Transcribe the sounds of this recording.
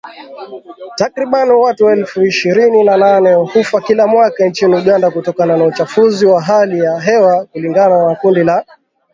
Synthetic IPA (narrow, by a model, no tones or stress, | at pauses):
takɾiɓanwatuwɛlfuiʃiɾininananɛhufakilamwakant͡ʃiniuɠandakutɔkananaut͡ʃafuziwaɦalijaɦɛwakuliŋɡananakundila